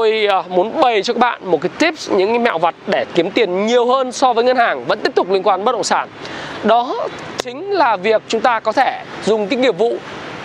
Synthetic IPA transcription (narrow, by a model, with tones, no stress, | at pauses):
t̪o˧jmu˨˦ənɓə˨˩jt͡ɕɔ˧kaː˦˥ɓa̰ː˧˨nmo˨˩t̚kaː˨˦jt̪i˦˥p̚ɲɨ̰˧˥ŋ˨˧ma̰ː˧˨wva˨˩t̚ɗe˧˩ki˨˦əmt̪i˨˩ənɲi˨˩əwhəː˧nsɔ˧vəː˨˦jŋə˧nhaː˨˩ŋvə̰˧˥nt̪i˦˥əp̚t̪k͡p̚lŋkwaː˧nɓə˦˥t̚ɗə̰˧˨ŋ͡msaː˧˩nɗɔ˨˦ | t͡ɕï˨˦ŋ̟laː˨˩vi˨˩ək̚t͡ɕʊ˨˦ŋ͡mt̪aː˧kɔ˨˦t̪ʰe˧˩ | zʊ˨˩ŋ͡mki˨˦ŋi˨˩əp̚vṵ˧˨